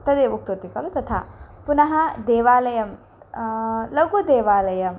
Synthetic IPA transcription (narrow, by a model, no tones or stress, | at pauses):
t̪ɐd̪ebuk̚t̪ot̪ikɐlut̪ɐt̪ʰa̰punɐɦɐd̪eːʋaːlɐjɐm | lɐɡod̪eːʋaːlɐjɐm